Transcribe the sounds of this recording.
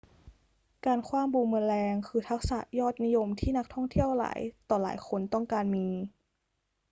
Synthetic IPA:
kaː˧nkʰwaː˧mbuː˨˧˩mɯ˧nlɛː˧ŋkʰɯː˧t̪ʰa˦˥k̚sa̰˨˩ʔjɔː˥˩t̪̚ni˦˥jo˧mt̪ʰiː˥˩na˦˥k̚t̪ʰɔ˥˩ŋt̪ʰi˥˩əwla̰ː˩˦jt̪ɔː˨˩la̰ː˩˦jxʰo˧nt̪ɔ˥˩ŋkaː˧nmiː˧

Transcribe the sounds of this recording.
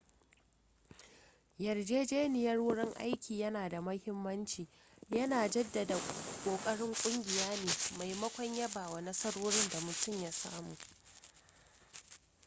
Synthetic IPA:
jɐ˨rd͡ʒeː˦d͡ʒeː˦nɪ˨jɐ˦rwʊ˦ɽɪ˦ŋʔa̰˦jkʲʰiː˨jɐ˦naː˨da˨mɐ˦hɪ˦mːɐ˦nt͡ʃiː˨ | jɐ˦naː˨d͡ʒɐ˦dːa˨da˨kʷʼoː˨kʼɐ˦ɽɪ˦ŋkʷʼʊ˦ŋɡʲɪ˨jaː˦neː˨ma˨jmɐ˦kʷɔ˦ɲjɐ˦baː˨wa˨nɐ˦sɐ˦ɽoː˦ɽɪ˦nda˨mʊ˨tʊ˦˨mja˦saː˦muː˨

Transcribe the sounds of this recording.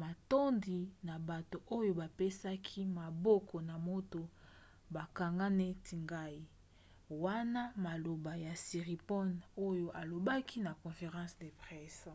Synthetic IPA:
ma˨to˦ndi˨na˨ba˨to˨ʔo˦jo˦ba˨pe˦sa˦kʰi˦ma˨bɔ˦kʰɔ˨na˨mo˦to˨ | ba˨ka˨ŋɡa˦ne˦tʰi˨ŋɡa˦i˦ | wa˦na˦ma˨lo˨ba˨ja˨si˨ʁi˨pɔ˦no˦jo˦ʔa˨lo˨ba˦kʰi˦na˨kɔ̃˨fe˨ʁɑ̃˦sde˨pʁɛ˦s

